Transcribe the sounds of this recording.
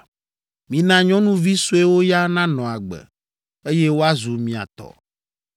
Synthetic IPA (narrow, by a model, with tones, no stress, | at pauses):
mĩ˨nã˦ɲɔ̃˦nũ˦vi˦su˦e˦wo˦ja˦nã˦nɔ̃˨a˨ɡ͡bɛ̰˨ | e˦jɛ˦wo˦a˦zu˨mĩ˨a̰˨t̪ɔ̰˨